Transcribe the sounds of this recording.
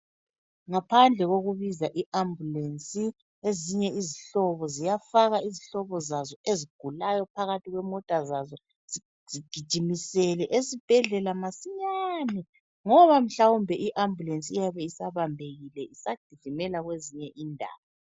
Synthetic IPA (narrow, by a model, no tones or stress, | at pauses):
ŋapʰand͡ɮʱɛɣoɣuβizaʔiʔambʱulensʼi | eziɲɛiziɬɔβɔzijafaɣaiziɬɔβɔzazɔʔeziɡ̥ʱulajɔpʰaɣatʰʼiɣwɛmɔtʼazazɔ | z̥i | z̥iɡ̥ʱid̥ʒ̥ʱimisɛlɛʔesib̥ʱɛɮɛlamasiɲaːnɛ | ŋɔβam̩ɬawumbʱɛʔiʔambʱulensʼijaβɛisaβambʱeɣilɛisad̥ʱiz̥ʱimɛlaɣweziɲɛʔiːndʱa̰ːβa